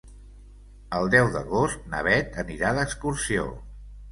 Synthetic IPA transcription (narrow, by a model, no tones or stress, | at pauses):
əlˠd̪ɛwðəɣost̪nə̰βɛt̪əniɾaðəkskursio̰